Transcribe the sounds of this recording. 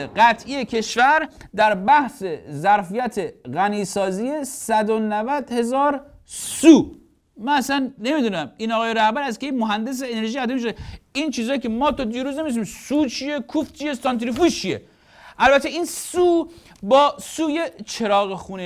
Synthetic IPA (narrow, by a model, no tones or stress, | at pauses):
ɢæt̪ʰʔijecʰe̞ʃvæɾd̪æɾbæhse̞zæɾfijæt̪ʰeɣæniːsɒːzijesæd̪onævæd̪he̞zɒːɾ | suː | mænæsænːe̞mid̪uːnæmiːnɒɣɒːjeɾæhbæɾæzkʲejmoɦænd̪e̞s̬eːne̞ɾʒiːæd̪emiʃod̪eint͡ʃʰiːzɒːjicʰemɒːt̪ʰɔd̪iːɾuːznemid̪es̬iːmsuːd̪̚t͡ʃʰije̞kʰuft͡ʃʰijesɒnt̪ɾifust͡ʃʰije̞̰ | ʔælbæt̪ʰeiːnsuː | bɒːsuːjet͡ʃʰe̞ɾɒːɣexuːne